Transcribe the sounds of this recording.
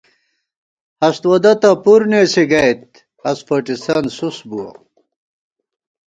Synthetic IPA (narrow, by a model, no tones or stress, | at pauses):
hɐst̪wɐd̪ɐt̪ɐpuɾnesiɡɐjt̪̚ | ɐspɐʈist̪ansusbuwɐ̰